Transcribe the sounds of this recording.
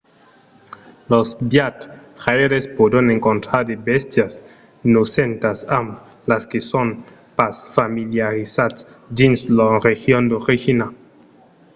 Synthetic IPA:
losbjat̪χaeɾespod̪aneŋkont̪ɾaɾd̪ebest̪jas | nusent̪asam | laskeson | pasfamiljaɾisat̪s | d̪inslarexjond̪oʁixina

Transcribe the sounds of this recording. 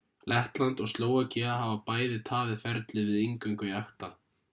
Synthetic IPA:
lʔɛht̪lant̪ɔɣst̪loːwacɛaɦavapaːjðɪt̪ʰaːðɪfɛɾt̪lɪvɪðiŋkʏŋkʏaxt̪a

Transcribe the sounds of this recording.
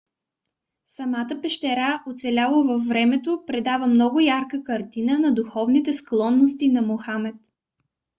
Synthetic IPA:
sɐmat̪əpɛʃt̪ɛɾaʔot̪sɛlʲalˠovɐfːɾɛmɛt̪opɾɛd̪avəmnɔɡʊjaɾkəkɐɾt̪inənɐd̪uxɔvnit̪ɛsklˠɔnːost̪inɐmoxamɛt̪

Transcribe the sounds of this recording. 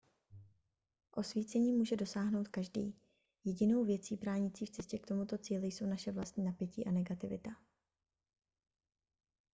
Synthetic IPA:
ʔo̞sviːt͡sɛɲiːmuːʒɛdo̞saːɦno̞wt̪kaʒdḭː | jɛɟɪno̞wvjɛt͡siːbɾaːɲɪt͡siːft͡sɛscɛkt̪o̞mut̪o̞t͡siːlɪjso̞wnaʃɛvlast̪ɲiːnapjɛciːʔanɛɡat̪ɪvɪ̰t̪a

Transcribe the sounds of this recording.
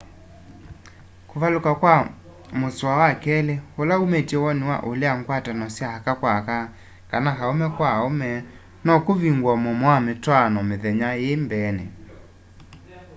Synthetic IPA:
koβalokakwa | moswawakɛleolaumetjɛwɔnewa̰ʔoleaŋkwatanɔsjahakakwaka | kanakaomɛkwaomɛ | nɔkoβiŋɡwamɔmoametwanɔmeðɛɲajembɛnɛ̰

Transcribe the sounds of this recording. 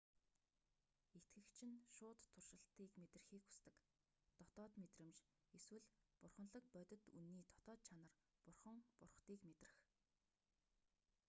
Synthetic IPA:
et̪ɡɘ̆kt͡ɕʰɪ̆nʃʊːt̪ʰːʊrʃə̆ɬt̪iːkmet̪r̆xiːku̥st̪ɘ̆k | t̪ɔt̪ɔːt̪met̪rɘ̆mt͡ɕ | eswɘ̆ɮpʊrχə̆nɮə̆k̚pœt̪ʲɪ̆t̪unːiːt̪ʰɔ̥t̪ɔːt̪̚t͡ɕʰanə̆r | pʊrχə̆ŋpʊrχt̪iːkmet̪rɘ̆x

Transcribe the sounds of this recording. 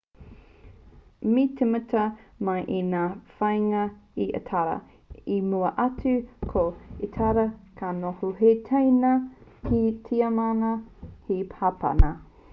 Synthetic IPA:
mitʰemətʰɐmɐjʔinaːfɐjŋɐiʔɐ̰tʰaɾɐ̰ | imuɐʔɐt͡sʉkʰoetʰaɾɐkʰanohuɦetʰejnɐkitʰiɐmanɐhipʰapa̰nɐ

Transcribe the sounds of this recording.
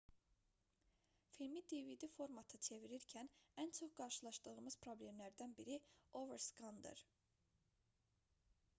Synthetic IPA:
filmid̪evid̪ifo̞ɾmɑt̪ʰɯt͡ʃʰeviɾiɾcʰænænt͡ʃʰoχɡɑɾʃɯlˠɑʃd̪ɯɣɯmɯz̥pʰɾo̞ble̞mlæɾd̪ænbiɾioveɾskɑnd̪ɯ̰ɾ

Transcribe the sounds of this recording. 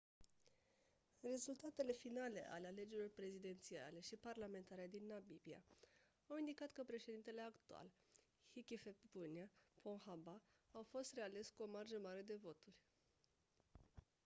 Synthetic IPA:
re̞zult̪at̪e̞le̞finale̞̰ʔa̰leale̞d͡ʒeilo̞rpɾe̞zid̪e̞nt̪sia̰le̞ʃiparlame̞nt̪aɾead̪inːabibia̰ | awind̪ikat̪kəpɾe̞ʃed̪int̪e̞le̞akt̪ua̰l | hikʲifepbuniapo̞ŋxabaawfo̞st̪re̞ale̞skuo̞marʒəmaɾe̞d̪e̞vo̞t̪urʲ

